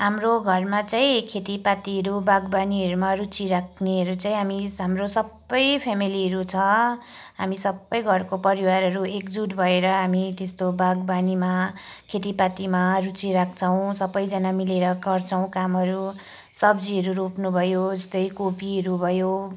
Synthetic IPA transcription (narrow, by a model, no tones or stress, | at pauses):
ɦamroɡʱʌrmat͡saĩkʰet̪ipat̪iɦʌɾubaɡbaniɦʌɾumaɾut͡siɾakʰneʌɾut͡saĩɦamiɦamrosʌbːʌjpʰamiliɦʌɾut͡sʰʌ | ɦamisʌbːʌjɡʱʌrkopʌɾiwaɾɦʌɾuekd͡zuʈbʱʌeɾʌɦamit̪est̪obaɡbanima | kʰet̪̬ipat̪imarut͡siɾak̚ʰt͡sʰʌw̃sʌbʌjd͡zʌnamileɾʌɡʌrt͡sʰʌw̃kamɦʌɾu | sʌbd͡ziʌɾuɾupnubʱʌjod͡zʌst̪ʌjkopʰiɦʌɾubʱʌjo